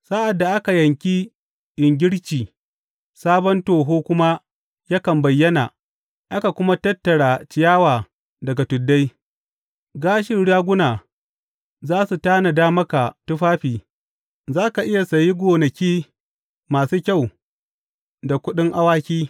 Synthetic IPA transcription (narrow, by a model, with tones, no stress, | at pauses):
sa˦ʔa˨dːa˨ʔa˦ka˨jɐ˨ŋkʲi˦ | ʔɪ˨ŋɡʲɪ˦ɽt͡ʃiː˨ | saː˦bɔ˦ntoː˨ɦoː˦kʷʊ˦ma˦ | ja˦kɐ˨mbɐ˨jːɐ˦na˨ | ʔa˦ka˨kʷʊ˦ma˦tɐ˦tːɐ˨ɽaː˨t͡ʃɪ˨jaː˦waː˨ | dɐ˨ɡa˨tʊ˨dːa˦j | ɡaː˦ʃɪ˦˨ɽaː˦ɡʷʊ˦naː˨ | zaː˦su˨taː˦na˨daː˦mɐ˦ka˨tʊ˦ɸaː˦ɸiː˨ | zaː˦ka˨ʔɪ˦ja˨sɐ˨ji˦ɡʷoː˨nɐ˨kʲiː˦ | maː˨suː˦kʲa˦˨w | da˨kʷʊ˦ɗɪ˦ŋʔa˦waː˦kʲiː˦